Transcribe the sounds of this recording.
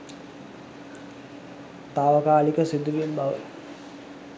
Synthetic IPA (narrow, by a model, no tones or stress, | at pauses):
t̪aːʋəkaːlikəsid̪uʋembaʋə̰